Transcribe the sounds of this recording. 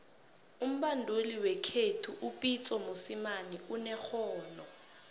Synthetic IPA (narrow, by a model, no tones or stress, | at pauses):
um̩ɓandʱuliwɛkʰetʰuʔupʼit͡sʼɔmusimaniunɛxɔːnɔ